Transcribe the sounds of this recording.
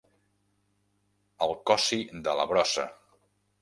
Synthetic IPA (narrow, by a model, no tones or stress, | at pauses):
əlˠkɔsid̪ələβɾɔsə̰